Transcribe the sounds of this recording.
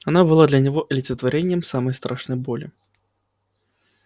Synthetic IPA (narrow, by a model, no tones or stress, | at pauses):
anabɨlˠad̪lʲɐnʲaɣɔʔlʲit̪sət̪vaɾʲɛnʲːɛmsamɐjst̪ɾʔaʂnɐjbɔlʲi